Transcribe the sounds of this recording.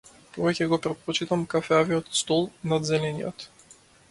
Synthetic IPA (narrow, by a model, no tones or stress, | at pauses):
pɔvɛcʲɛɡɔpɾɛt̪̚pɔt͡ʃit̪amkafɛaviɔt̪st̪ɔlˠnad̪zɛlɛnijɔ̰t̪